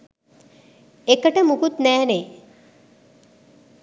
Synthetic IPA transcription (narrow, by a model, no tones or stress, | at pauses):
ekəʈəmukut̪næːne